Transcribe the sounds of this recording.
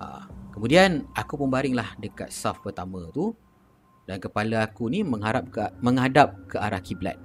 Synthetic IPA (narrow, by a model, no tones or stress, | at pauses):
ʔa̰kəmũdianakupumbaɾɪŋlahdəka̰t̪̚safpərt̪amə̃t̪u | dankəpalaakunimə̃ŋɦaɾap̚kmə̃ŋadap̚kəʔaɾahkibla̰t̪̚